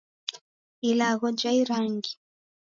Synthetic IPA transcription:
ilaɣɔd͡ʒaiɾaŋɡi

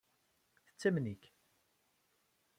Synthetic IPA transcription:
θə̥t͡sːæmniç

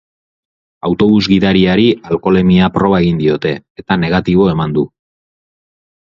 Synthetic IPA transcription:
awt̪o̞βuzɡiðaɾiaɾialko̞le̞miapɾo̞β̞ae̞ɣind̪io̞t̪e̞ːt̪ane̞ɣ̞at̪iβ̞o̞e̞mand̪u

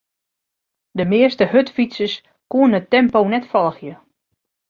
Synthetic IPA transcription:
dəmɪəstəhøtfitsəs | kuənətɛmponɛtfɔlˠəxjə

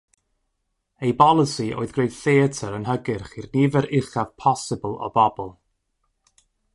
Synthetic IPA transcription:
ejbɔlˠəsiʔo̰ːɨðɡrejðθeətʰəɾənɦəɡɪrχirnivɛɾɪχav̥pʰɔsɪbəlˠɔ̰bɔbɔlˠ

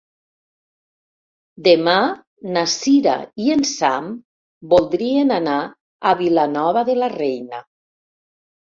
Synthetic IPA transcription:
d̪ema | nasiɾa̰iensam | bolˠd̪ɾienanaː | βilanɔβaðelarejna

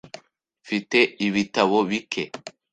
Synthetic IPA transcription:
fiteiβitaβoβikʰe

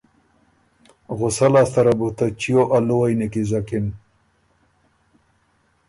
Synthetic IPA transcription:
ɣʊsalaːst̪aɾabut̪at͡ʃijoʔaluwajnekizakɪn

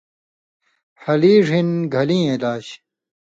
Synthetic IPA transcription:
hɐliːʐinɡʱɐlĩːẽlaːɕ

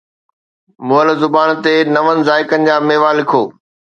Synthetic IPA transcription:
mʊɦəlzʊbaːnt̪enɐʋənɪ̆zaːɪkənɪ̆d͡ʑaːmeːʋalɪkʰoː

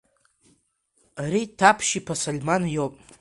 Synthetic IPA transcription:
ɾitʰːapʰʃipʰasolʲmanjopʼ

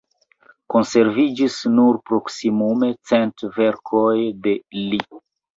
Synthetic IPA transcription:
ko̞nse̞ɾvid͡ʒisnuɾpɾo̞ksimume̞t͡se̞ntve̞ɾkʰo̞jde̞li

